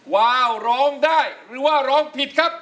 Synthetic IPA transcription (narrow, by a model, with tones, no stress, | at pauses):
waː˧˩wɾɔː˦˥ŋdaː˥˩jɾɯː˩˦waː˥˩ɾɔː˦˥ŋpʰi˨˩t̪̚kʰa˦˥p̚